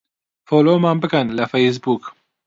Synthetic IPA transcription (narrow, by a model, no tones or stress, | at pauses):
foːloːmaːnbɨkənlɐfejs̬buːk